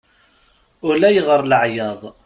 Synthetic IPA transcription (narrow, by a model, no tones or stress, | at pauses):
ʊɾlæjəʁəɾˤləʕjɑðˤ